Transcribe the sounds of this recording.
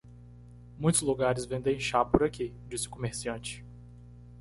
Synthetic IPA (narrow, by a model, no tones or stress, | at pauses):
mũj̃t̪ʊzluɡaɾɪzvẽnd̪ẽj̃ʃapʊɾaki | d͡ʒisɪʊ̥komeɾsiɐ̃t͡ʃɪ̥